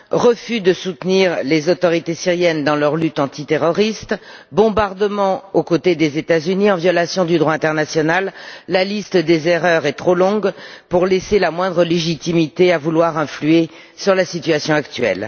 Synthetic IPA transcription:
ʁəfyd̪əsut̪niʁlezot̪ɔʁit̪esiʁjɛnd̪ɑ̃lœʁlyt̪ɑ̃t̪it̪eʁɔʁist̪bɔ̃baʁd̪əmɑ̃okot̪ed̪ezet̪azyniɑ̃vjɔlasjɔ̃d̪yd̪ʁwaɛ̃t̪ɛʁnasjɔnalːalist̪əd̪ezeʁœʁɛt̪χolɔ̃ɡpuʁleselamwɛ̃d̪ʁəleʒit̪imit̪eavulwaʁɛ̃flye | syʁlasit̪ɥasjɔ̃akt̪ɥɛ̰l

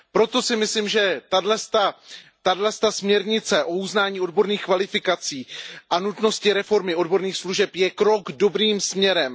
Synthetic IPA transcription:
pɾo̞t̪o̞sɪmɪsliːmʒɛt̪adlɛst̪at̪adlɛst̪asmɲɛɾɲɪt͡sɛʔo̞uznaːɲiːo̞dbo̞ɾniːxkvalɪfɪkat͡siːʔanut̪no̞scɪɾɛfo̞ɾmɪo̞dbo̞ɾniːxsluʒɛpjɛkɾo̞ɡdo̞bɾiːmsmɲɛɾɛm

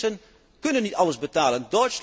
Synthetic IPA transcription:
ən | kɵnənːitɑlˠəzbətaːləndɔtsl

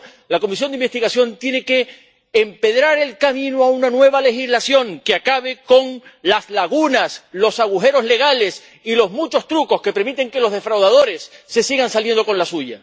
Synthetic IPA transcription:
lako̞mis̬jond̪imbest̪iɣasjo̞nt̪je̞ne̞ke̞ː | mpe̞ð̞ɾaɾe̞lkamĩnoaunanwe̞β̞ale̞xizlasjo̞ŋkeakaβe̞ko̞ŋlaslaɣunaslo̞saɣ̞uxe̞ɾo̞zle̞ɣale̞s | ilo̞zmut͡ʃo̞st̪ɾuko̞ske̞pe̞ɾmit̪e̞ŋke̞lo̞zðe̞fɾawðað̞o̞ɾe̞sːe̞siɣansalje̞nd̪o̞ko̞nlasuʝa̰

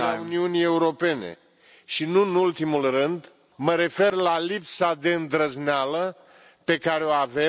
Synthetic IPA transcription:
auniunije̞uɾo̞pe̞ne̞̰ | ʃinuɨnult̪imulrɨnd̪ | məɾe̞fe̞rlalipsad̪e̞ɨnd̪ɾəznalə | pe̞kaɾeoave

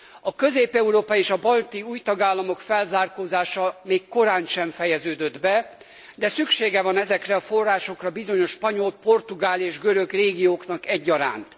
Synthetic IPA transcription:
ɒkø̞zeːpɛuɾoːpɒeːʃɒbɒlt̪iuːjt̪ɒɡaːlːɒmo̞kfɛlzaːrkoːzaːʃɒmeːkːo̞ɾaːnʃɛɱfɛjɛzøːd̪ød̪bɛ | d̪ɛsykʃeːɡɛvɒnɛzɛkrɛɒfo̞rːaːʃo̞krɒbizoɲo̞ʃpɒɲo̞lpo̞rt̪uɡaːleːʒɡøɾøɡreːɡijoːknɒkɛɟːɒɾa̰ːnt̪

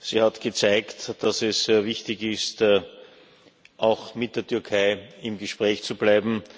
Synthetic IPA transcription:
siːhatɡ̥ət͡saɪktd̥asɛsːeːɐvɪçtɪçɪst | ʔaʊxmɪt̚d̥eːɐtʰʏɐkʰaɪɪmɡəʃpʁɛːçt͡sublaɪbm̩

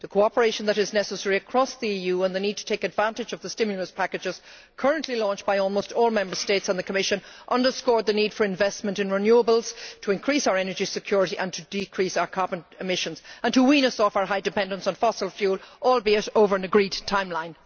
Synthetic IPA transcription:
ðəkʰoʊɑpə˞eɪʃə̃n̩ðəɾɪznɛsəsɛɹiəkʰɹ̥ɔsðiijʉːə̃nðɨnid̚tʰə̥tʰeɪkɨdvãntɨd͡ʒʌvðəstɪ̃mjl̩ˠəspʰakɨd͡ʒɪz̥ | kʰɜ˞ə̃nʔlilɔ̃nt͡ʃb̥aɪɔlˠmoʊstɔlˠmɛ̃mbə˞steɪtsə̃nðɨkʰəmɪʃə̃nʔʌ̃ndə˞skɔɹd̪̚ðɨnid̥fə˞ɨ̃ɱvɛsmə̃ntɨ̃nɹɪnjuəbəl̩ˠz̥tʰəɪ̃nkʰɹ̥isaʊə˞ɛnə˞d͡ʒisɨkʰj̥ɔɹɪɾiʔə̃ntʰədɪkʰɹ̥isaʊə˞kʰɑɹbə̃nɪmɪʃə̃nz̥ə̃ntʰəwĩnʌsɔfaʊə˞ɦaɪdɨpɛ̃ndə̃ntsn̩fɑsəlˠfjuːlˠʔɔlˠbiɨɾoʊvə˞ɨnəɡɹidtʰãɪ̃mlãɪ̃n

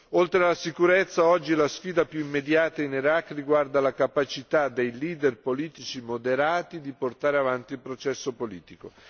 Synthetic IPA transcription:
olt̪ɾealasikuɾet̪sːaɔd͡ʒːilasfiːd̪apjuimːed̪jaːt̪ainiɾakːriɡward̪alakapat͡ʃit̪ad̪ejliːd̪erpoliːt̪it͡ʃimod̪eɾaːt̪id̪iport̪aːɾeavant̪ilpɾot͡ʃɛsːopolḭːt̪iko

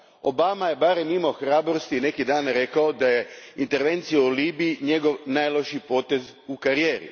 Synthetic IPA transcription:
o̞̰bamaje̞baːɾemimaoxɾaːbɾo̞st̪ine̞kid̪aːnɾe̞kao̞d̪aje̞int̪e̞ɾʋe̞nt̪sijauliːbiiɲe̞ɡo̞ʋnaːjlˠo̞ʃipo̞ːt̪e̞z | ukaɾijeːɾḭ

